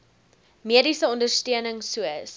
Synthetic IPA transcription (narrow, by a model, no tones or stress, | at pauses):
miədisəɔndərstøənəŋsuəs